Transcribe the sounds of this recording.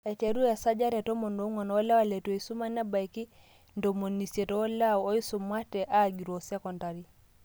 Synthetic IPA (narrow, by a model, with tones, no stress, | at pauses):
ɛ˨t͡ʃɛ˨ɾu˦a˨sa˦d͡ʒa˦ɾɛ˨tɔ˦mɔ˨ndɔ˦ŋɔ˨n˦lɛ˦wa˨lɛ˨to˨i˨su˦ma˦nɛ˦ba˨jki˦ | ndɔ˨mo˨ni˨se˨tɔː˦la˦˨wɔ˦i˦su˨mwa˦tɛ˨ʔa˦ɡi˨ɾɔ˨sɛ˦kɔ˨nta˨ɾi˦